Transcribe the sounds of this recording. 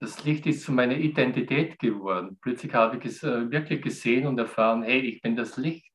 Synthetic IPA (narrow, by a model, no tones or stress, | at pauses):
d̥aslɪçtɪstt͡sumaɪnɐidɛntitʰɛːtɡ̥əvɔɐdn̩plœt͡slɪçhaːbəɪçɛsɛvɪɐkʰlɪçɡ̥əzeːənʊntɛɐfaːʁənhɛɪçb̥ɪndaslɪçt